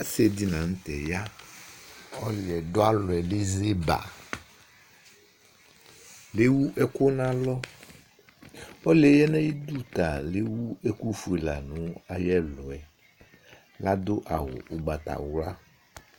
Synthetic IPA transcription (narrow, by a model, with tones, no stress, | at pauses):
a˦se˨di˨nã˨ŋ̩˦t̪ɛ˨ja˦ | ɔ˦lɪ˨ɛ˨do˦a˦lɔ˨ɛ˨le˦ze˦ba̰˨ | le˦wu˦ʔɛ˦ko˦nã˨lɔ˦ | ɔ˦lɛ˨jɛ˦nã˦ji˦d̪u˦t̪a˨le˦wu˦e˦ku˦fu˨e˨la̰˨nũ˦a˨jɛ˦lɔ˨ɛ˨ | la˦d̪o˦ʔa˨wo̰˨ʔo˨ɡ͡ba˨t̪a̰˨wla˦